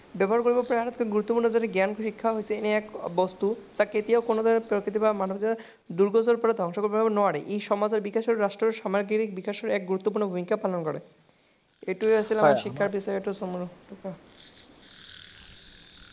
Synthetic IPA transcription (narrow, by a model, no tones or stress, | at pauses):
bɛboɦaɾkoɾibopɾeaɾat̪ʰkeɡuɾut̪ːopuɾnod͡ʑaneɡɛnkoʃikʰːaɦojsʰeeniɛkbɔst̪ud͡ʑaket̪iaokonod̪ʱanepɾokɾit̪ibamanobit̪ia | d̪uɾɡod͡ʑoɾpɔɾad̪ʱɔŋʃokoɾbebbonɔaɾeʔejʃɔmad͡ʑeɾbikaʃeɾɾaʃʈɾoɾʃamaɾɡiɾik̚bikaʃeɾɛk̚ɡuɾut̪ːop̬uɾnobʱumikapalonkɔɾḛ | eʈuasʰilamaʃikʰːaɾbiʃɔeeʈusomuɾuʈuka